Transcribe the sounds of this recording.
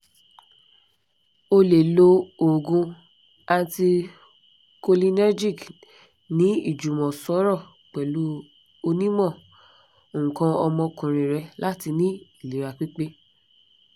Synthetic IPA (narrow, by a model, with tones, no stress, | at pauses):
o˧le˨lo˧o˨ɡũ˧ | a˧n˦ti˧ | ko˧li˧nɛ˦d͡ʒi˦˨k | nĩ˨˦i˦˨d͡ʒu˨mɔ̃˨sɔ˨˦ɾɔ˦˨ | k͡pɛ˨lu˨˦ | o˧nĩ˦mɔ̃˦˨ | o˨ŋ̩̃˨kã˧ɔ˧mɔ̃˧kũ˨ɾ̃ĩ˨ɾɛ˧la˦ti˧nĩ˦i˦˨li˨ɾa˨k͡pi˦k͡pe˦